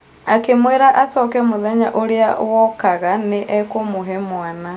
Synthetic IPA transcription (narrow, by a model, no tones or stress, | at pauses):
akemweɾaʔasɔkɛmoðɛɲaʔoɾeawɔkaɣaneʔɛkomoɦɛmwana